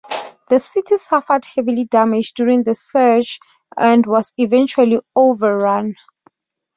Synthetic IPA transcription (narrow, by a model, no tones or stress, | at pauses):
ðəsitʰisafədhɛvilidamid͡ʒdjuɹĩŋðəsɛt͡ʃ | ãndwɔzivɛ̃nt͡ʃualiovəɹãn